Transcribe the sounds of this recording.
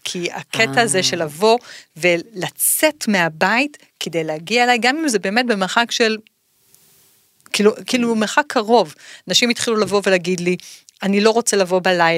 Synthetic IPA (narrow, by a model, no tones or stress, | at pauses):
kʰiakʰetaːzeʃe̞lavo̞ve̞lat͡setme̞abait | kede̞jleaɡiaelajɡamimzebe̞ːme̞t̚be̞meχakʃe̞l | kiːlukiːlumeχakʰːaʁo̞vanaʃimitχilulavo̞veleaɡidlianilo̞ʁo̞t͡selavo̞balajla